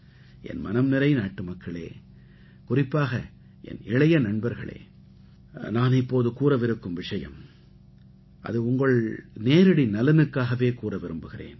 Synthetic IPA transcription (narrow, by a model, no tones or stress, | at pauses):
ɛ̰nmɐ̰nɐmnɪɾɐɪnaːʈːɯmɐkːɐɭḛː | kʊrɪpːaːɣɐ | ʔɛ̰nɪɭɐjɐnɐɳbɐɾɣɐ̰ɭḛː | naːnɪpːoːðɯkuːɾɐʋɪɾɯkːɯmʋɪʂɐjɐ̰m | ʔɐ̰ðɯʊŋɡɐɭneːɾɯɽinɐlɐnɯkːaːɣɐʋeːkuːrɐʋɪɾɯmbɯɣɪrḛːn